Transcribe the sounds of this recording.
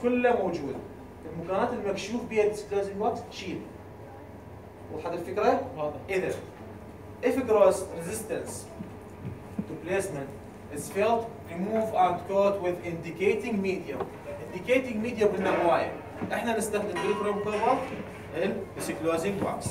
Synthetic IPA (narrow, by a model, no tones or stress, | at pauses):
kʊlːamawd͡ʒuːd̪ | ʔɪlmakaːnaːt̪ɪlːmakʃuːfbiːhad̪ɪsɪ̥klaːzɪŋɡwakt̪ʃiːl | waħad̪ɪlfɪkɾawɑːðˤħʔɪðan | ʔɪfɪɡɾˤaːzɾɪzɪst̪ans | t̪ʊpleːsmɪnt̪ | ʔɪzfeːlt̪ɾimuːvʔant̪koːd̪wɪðʔɪnd̪ɪkeːt̪ɪŋɡmiːd̪ja | ʔɪnd̪ɪkeːt̪ɪŋɡmiːd̪jabɪnːawaːja̰ | ʔɪħnanɪst̪axd̪ɪmbik̪ɾeːmkʊɾbɑ | ʔɪld̪ɪsɪklaːzɪŋɡwa̰ks